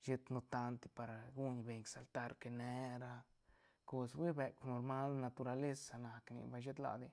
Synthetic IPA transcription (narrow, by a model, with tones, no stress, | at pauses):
ʃe˧t̪nu˧t̪a˧nt̪i˧pa˨ɾa˨ɡu˦ɲbe˨ɲksa˨lt̪a˧ɾke˧ne˧ɾa˧ | ko˧swʷi˦be˨kno˧ɾma˦lna˧t̪u˧ɾa˧le˦sa˨na˨knḭ˧ba˧jʃe˦t̪la̰˧˨d̪i˧